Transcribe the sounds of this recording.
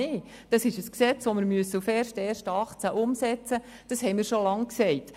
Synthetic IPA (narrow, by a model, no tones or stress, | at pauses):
ɪː | d̥ɑsɪʃəsksɛt͡sʋomɪɾmyəsːəufɛrʃtɛːrʃtɑχt͡sæʔʊmsɛt͡sə | d̥ɑsɦɛjmɪːɾʃolɑŋksɛɪt